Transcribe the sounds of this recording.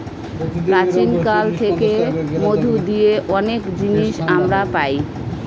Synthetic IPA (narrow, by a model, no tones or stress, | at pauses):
pɾat͡ɕinkalt̪ʰekemod̪ʱud̪ijeʔɔnekd͡ʑiniʃamɾapaj